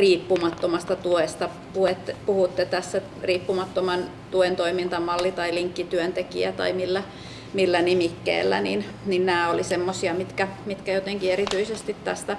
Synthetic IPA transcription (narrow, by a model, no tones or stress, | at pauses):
riːpːumɑt̪ːomɑst̪ɑt̪uest̪ɑ | puet̪ːpuhut̪ːet̪æsːæ | riːpːumɑt̪ːomɑn | t̪uent̪oimint̪ɑmɑlːit̪ɑiliŋkːit̪yønt̪ekḭæ̰t̪ɑ̰imilːæ | milːænimikːḛːlːæ̰nin | ninnæːolisemːosiɑmit̪kæmit̪kæjot̪eŋkierit̪yisest̪it̪t̪æst̪æ